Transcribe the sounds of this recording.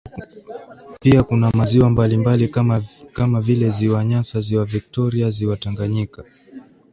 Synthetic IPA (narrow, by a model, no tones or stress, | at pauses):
piakunamaziwambalimbalikamavilɛziwaɲasaziwavik̚tɔɾiaziwataŋɡaɲika